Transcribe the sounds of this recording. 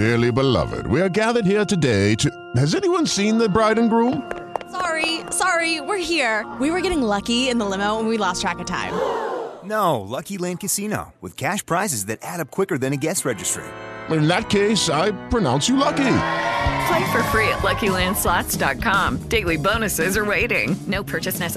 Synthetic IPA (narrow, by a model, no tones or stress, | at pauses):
ɪɹlˠibəlʌ̰vɨ̰d̚wiə˞ɡæðə˞d̚hiɹtɨdeɪtʰ | hɨzɛniwʌ̃nsĩnðɨbɹaɪdⁿn̩ɡɹũm | sɑɹisɑɹiwɪɹhiɹwiwə˞ɡɛɾɪ̃ŋlʌkiɪ̃nðəlɪ̃moʊwə̃nwilɔstʰɹ̥ækɨtʰã̰ɪ̃mnoʊlʌkilæ̃n̚kɨsino̰ʊwɨ̰ð̥kʰæʃpʰɹ̥aɪzɨzðɨɾʔæɾʌp̚kʰw̥ɪkə˞ðɨ̃nɨɡɛsɹɛd͡ʒɨstɹ̥ḭt̚ɪ̃nðɨt̚kʰeɪsaɪpʰɹ̥ɨnãʊ̃nsjɨlʌki | flaɪfə˞fɹiɨ̰ʔˡlʌkilæ̃nd̥slɑtsd̥ɑt̚kʰɑ̃md̥eɪlˠibõʊ̃nɨsɪzə˞weɪɾɪ̰̃ŋnoʊpʰɜ˞t͡ʃɨsnɛs